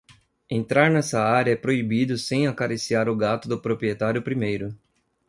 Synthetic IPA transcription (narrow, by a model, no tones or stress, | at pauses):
ẽnt̪ɾaɾnɛsɐaɾjɐɛpɾoibid̪ʊsẽj̃akaɾisiaɾʊɡat̪ʊd̪ʊpɾopɾiet̪aɾjʊpɾimejɾʊ